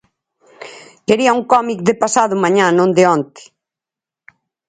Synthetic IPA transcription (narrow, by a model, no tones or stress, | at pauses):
keɾiɐuŋkɔmikd̪ɪpasaðʊmaɲãnõnd̪ɪɔnt̪ɪ̥